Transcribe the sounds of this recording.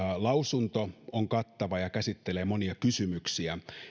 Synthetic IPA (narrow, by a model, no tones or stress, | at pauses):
lɑusunt̪ooŋkɑt̪ːɑʋɑjɑkæsit̪ːeleːmoniɑkysymyksiæ